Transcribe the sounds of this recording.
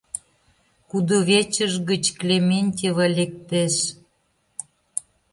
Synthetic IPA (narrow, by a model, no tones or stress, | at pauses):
kud̪oβet͡ɕəʒɣə̆t͡ɕklʲemʲenʲtʲiβɑlʲek̚t̪eʃ